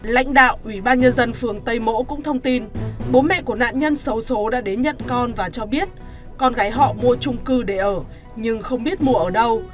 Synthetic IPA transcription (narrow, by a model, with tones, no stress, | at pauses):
la̰˧˥jŋ̟ɗa̰ː˧˨wʔwi˧˩ɓaː˧nɲə˧nzə˧nfɨ˨˩əŋt̪ə˧jmo̰˧˥kʊ̰˧˥ŋ͡mt̪ʰə˧wŋ͡mt̪i˧nɓo˨˦nmɛ̰˧˨ku˧˩əna̰ː˧˨nɲə˧nsə˨˦wso˨˦ɗa̰ː˧˥ɗe˨˦nɲə̰˧˨nkɔ˧nvaː˨˩t͡ɕɔ˧ɓi˦˥ət̚ | kɔ˧nɣaː˨˦jɦɔ̰˧˨mu˧ət͡ɕʊ˧ŋ͡mkɨ˧ɗe˧˩ʔəː˧˩ | ɲɨ˧ŋxə˧wŋ͡mɓi˦˥ət̚mu˧əʔəː˧˩ɗə˧w